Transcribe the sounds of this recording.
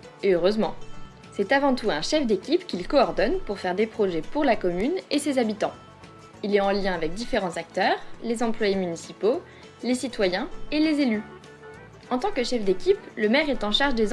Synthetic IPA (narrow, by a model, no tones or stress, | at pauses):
eøʁøzmɑ̃ | sɛt̪avɑ̃t̪uɛ̃ʃɛfd̪ekʲipkʲilkɔːʁd̪ɔnpuʁfɛʁd̪epχɔʒɛpuʁlakɔmynesezabit̪ɑ̃ | ilɛɑ̃ljɛ̃avɛk̚d̪ifeʁɑ̃zak̚t̪œʁlezɑ̃plwajemynisipo | lesit̪wajɛ̃elezely | ɑ̃t̪ɑ̃kəʃɛfd̪ekʲipləmɛʁɛt̪ɑ̃ʃaʁʒd̪ez